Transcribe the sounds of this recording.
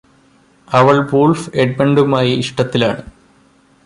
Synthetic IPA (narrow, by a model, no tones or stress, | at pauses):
ɐʋɐɭʋolfeɖ̚beɳɖumaːjiiʂʈɐt̪ːila̰ːɳɨ